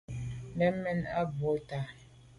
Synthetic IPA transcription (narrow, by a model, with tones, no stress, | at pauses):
nɛ˦mɛ˦na˦bo˨˦ta˨